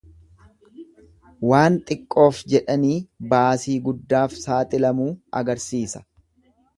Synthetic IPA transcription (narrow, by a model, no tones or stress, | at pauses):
waːnt̪ʼɪkʼːo̞ːfd͡ʒɛᶑɐniːbaːsiːɡʊd̪ːaːfsaːt̪ʼɪlɐmuːɐ̰ɡɐɾsiːsɐ̥